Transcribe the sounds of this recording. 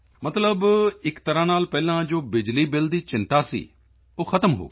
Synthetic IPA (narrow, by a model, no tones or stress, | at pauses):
mət̪ləbɪkt̪əɾãːnaːlpɛːlãːd͡ʒoːbɪd͡ʒliːbɪld̪iːt͡ʃɪ̃nt̪aːsḭː | oːxʰət̪əmɦo̰ː